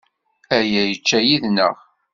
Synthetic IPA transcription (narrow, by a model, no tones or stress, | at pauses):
æjæjət͡ʃːæjiðnə̰ʁ